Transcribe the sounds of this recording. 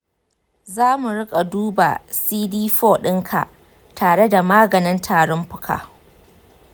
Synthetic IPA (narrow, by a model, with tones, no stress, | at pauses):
zaː˦mu˨ɽɪ˦kʼa˨duː˦ba̰˨siː˦diː˦ɸoː˦ɗɪ˦ŋkʰa̰˨ʔ | tʰaː˨ɽe˦da˨maː˦ɡɐ˨nɪ˦ntʰaː˨ɽɔ˦mɸʊ̥˦kʰa̰ː˨